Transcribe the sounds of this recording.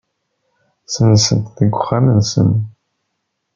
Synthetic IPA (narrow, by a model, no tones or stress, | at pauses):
sənsənt̪θəɡʷʊχːamənsə̰n